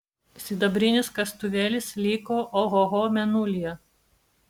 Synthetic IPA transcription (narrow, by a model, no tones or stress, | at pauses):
sʲɪd̪ɐbʲɾʲɪnʲɪskɐst̪ʊʋʲeːlʲɪslʲiːkoːʔoɦɔɣoːmʲɛnʊlʲɪjɛ